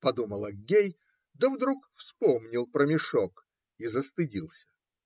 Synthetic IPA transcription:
pɐd̪uməlˠɐɡʲej | d̪əvd̪ɾukfspomnʲɪlˠpɾəmʲɪʂok | izəst̪ɨdʲilˠsʲə̥

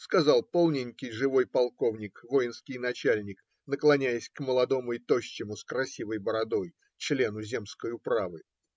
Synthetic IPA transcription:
skɐzɑlˠpo̞lˠnʲɪnʲkʲɪjʐɨvo̞jpɐlˠko̞vnʲɪkvo̞jɪnskʲɪjnɐt͡ɕælʲnʲɪk | nəklˠɐnʲæjəsʲkməlˠɐd̪o̞mʊɪt̪o̞ɕːɪmʊskɾɐsʲivəjbəɾɐd̪o̞j | t͡ɕlʲe̞nʊzʲe̞mskəjʊpɾavɨ

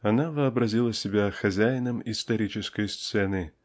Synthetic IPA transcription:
ɐnavəɐbrɐzʲilˠəsʲɪbʲæxɐzʲæjnəmist̪ɐɾʲit͡ɕɪskəjst̪sɛnɨ

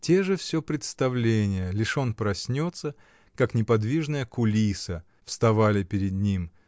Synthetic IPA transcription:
tʲe̞ʐɨfsʲɵpɾʲɪt̪st̪ɐvlʲenʲɪjəlʲɪʂo̞npɾɐsʲnʲo̞t̪sə | kaknʲɪpɐd̪vʲiʐnəjəkʊlʲisə | fst̪ɐvalʲɪpʲɪɾʲɪd̪̚nʲim

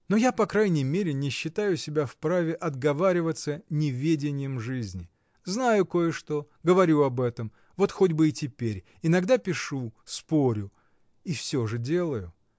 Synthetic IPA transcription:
no̞japɐkɾajnʲɪjmʲeɾʲɪnʲɪɕːɪt̪ajʊsʲɪbʲafpɾavʲɪʔɐd̪ɡɐvaɾʲɪvət̪sənʲɪvʲedʲɪnʲɪjəmʐɨzʲnʲɪ | znajʊko̞jəʂt̪o̞ | ɡəvɐɾʲuɐbɛt̪əm | vo̞t̪xo̞dʲbɨɪtʲɪpʲeɾʲ | ɪnɐɡd̪apʲɪʂuspo̞ɾʲʊ | ifsʲoʐɨdʲe̞lˠəjʊ

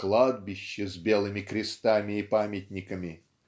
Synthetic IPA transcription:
klˠad̪̚bʲɪɕːəzʲbʲe̞lˠɨmʲɪkɾʲɪst̪amʲɪːpamʲɪtʲnʲɪkəmʲɪ

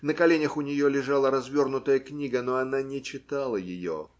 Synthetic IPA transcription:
nəkɐlʲenʲəxʊnʲɪjolʲɪʐalˠəɾɐzvʲo̞rnʊt̪əjəknʲiɡənoɐnanʲɪt͡ɕɪt̪alˠəjɪjo̰

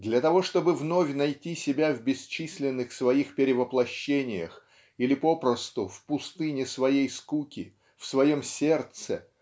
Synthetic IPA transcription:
d̪lʲɐt̪ɐvo̞ʂt̪o̞bɨvno̞fʲnɐjtʲisʲɪbʲavbʲɪst͡ɕisʲlʲɪnːɨxsvɐixpʲɪɾʲɪvəplˠɐɕːenʲɪjə̰x | ilʲɪpo̞pɾəst̪ʊfpʊst̪ɨnʲɪsvɐjejskukʲɪ | fsvɐjo̞msʲe̞rt̪sɨ

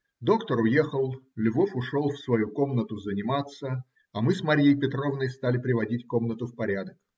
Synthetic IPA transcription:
d̪o̞kt̪əɾʊje̞xəlˠlʲʊvofʊʂo̞lˠfsvɐjuko̞mnət̪ʊzənʲɪmat̪sə | ɐmɨsmɐɾʲijəjpʲɪt̪ɾo̞vnəjst̪alʲɪpɾʲɪvɐdʲitʲkomnət̪ʊfpɐɾʲad̪ək

